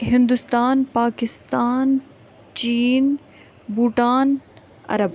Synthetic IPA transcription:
ɦɪ̃nd̪ust̪aːnpaːkɪst̪aːn | t͡ʃiːn | buːʈaːn | ɐ̰ɾɐb

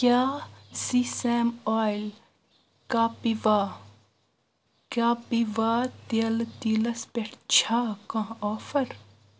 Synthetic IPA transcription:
kʲjaːsiːsemaːjl | kaːpiʋaː | kaːpiʋaːt̪elt̪iːlɐspeʈʰt͡ʃʰaːkãoːfɐɾ

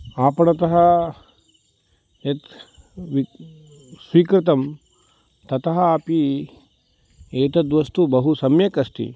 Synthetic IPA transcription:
aːpɐɽɐt̪ɐɦɐ | et̪ | ʋi | sʋiːkɾɪt̪ɐm | t̪ɐt̪ɐɦɐaːpi | eːt̪ɐd̪ʋɐst̪ubɐɦusɐmjɐkɐst̪ḭ

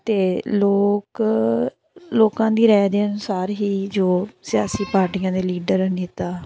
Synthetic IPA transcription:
t̪eːloːk | loːkãːd̪iːɾɛːd̪eːənʊsaːɾɦiːd͡ʒoːsɪjaːsiːpaːɾʈiːãːd̪eːliːɖəɾnit̪aː

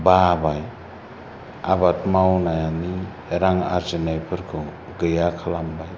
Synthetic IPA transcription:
babaj | abatmawnajani | ɾaŋa̰ɾzinajpʰɯɾkʰɯ | ɡɯjakʰalambaj

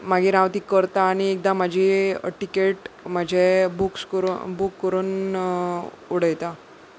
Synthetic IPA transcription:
maɡiːɾaʋt̪ikːəɾt̪aːɽ̃iek̚d̪am̤ad͡ʑʱiʈikeʈm̤əd͡ʑʱebukskəɾubukːəɾuːn | uɽ̤əjt̪a

